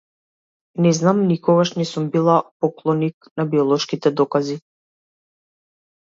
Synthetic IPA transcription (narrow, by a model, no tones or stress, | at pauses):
nɛznamnikɔɡaʃnɛsumbilˠapɔklˠɔniknabiɔlˠɔʃkit̪ɛd̪ɔkazi